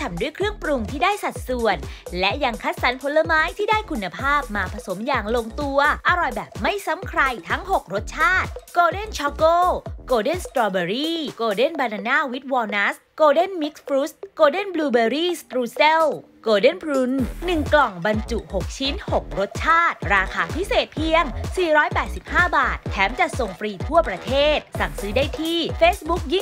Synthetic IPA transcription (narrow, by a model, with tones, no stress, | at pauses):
t̪ʰa˧mdu˥˩əjkʰɾɯ˥˩əŋpɾu˧ŋt̪ʰiː˥˩daː˥˩jsa˨˩t̪̚su˨˩ənlɛ˦˥ʔja˧ŋkʰa˦˥t̪̚sa˩˦npʰo˧˦lːa˧maː˦˥jt̪ʰiː˥˩daː˥˩jkʰu˧nːa˧pʰaː˥˩p̚maː˧pʰɾa˧so˩˦mjaː˨˩ŋlo˧ŋt̪u˧ɐʔa˧ɾɔ˨˩jbɛː˨˩p̚ma˥˩jsa˨˦˥mkʰɾa˧jt̪ʰa˦˥ŋho˨˩k̚ɾo˦˥t̪̚t͡ɕʰaː˥˩t̪̚koː˧de˥˩nt͡ɕʰɔ˦˥koː˥˩koː˧de˥˩nst̪ɾɔː˧beː˧ɾiː˥˩koː˧de˥˩nbaː˧na˧naː˥˩wi˦˥t̪̚wɔː˧na˦˥s | koː˧de˥˩nmi˦˥k̚pɾu˦˥skoː˧de˥˩nbluː˧beː˧ɾiː˥˩st̪ɾuː˧se˥˩w | koː˧de˥˩npʰɾu˧˦˥nːɯ˨˩ŋklɔ˨˩ŋba˧nt͡ɕu˨˩ʔho˨˩k̚t͡ɕʰi˦˥nho˨˩k̚ɾo˦˥t̪̚t͡ɕʰaː˥˩t̪̚ɾaː˧kʰaː˧˩pʰi˦˥seː˨˩t̪̚pʰi˧əŋsiː˨˩ɾɔː˦˥jpɛː˨˩t̪̚si˨˩p̚haː˥˩baː˨˩t̪ʰːɛː˦˥mt͡ɕa˨˩ʔso˨˩ŋfɾiː˧t̪ʰu˥˩ɐpɾa˧t̪ʰeː˥˩t̪̚sa˨˩ŋsɯː˨˦˥daː˥˩jt̪ʰiː˥˩feː˦˥sbu˦˥k̚ji˥˩ŋ